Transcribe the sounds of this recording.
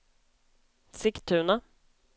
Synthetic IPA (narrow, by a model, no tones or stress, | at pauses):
sɪkt̪ʰːʉ̟ːna